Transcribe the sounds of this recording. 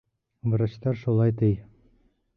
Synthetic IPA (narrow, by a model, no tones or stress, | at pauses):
bɤ̆ɾaɕt̪ɑɾʃulˠɑjt̪ɘj